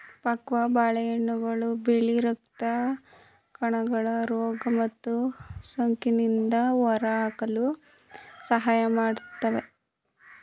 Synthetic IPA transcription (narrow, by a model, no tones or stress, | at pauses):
pɐkʋɐbaːɭɐjɐɳːuɡɐɭubeɭiɾɐk̚t̪ɐ | kɐɳɐɡɐɭɐɾɔːɡɐmɐt̪ːusoŋkinind̪ɐʋɐɾɐaːkɐlu | sɐɦaːjɐmaːɽut̪ːɐʋe̞